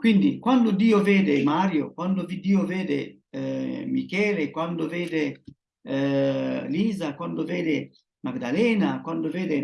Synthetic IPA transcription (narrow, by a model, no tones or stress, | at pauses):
kwind̪ikwand̪ʊd̪iːoveːd̪ɪmaːɾjo̰kwand̪ovid̪iːoveːd̪ḛ | mikɛːlekwand̪oveːd̪e | liːzakwand̪oveːd̪e | maɡd̪alɛːnakwand̪oveːd̪e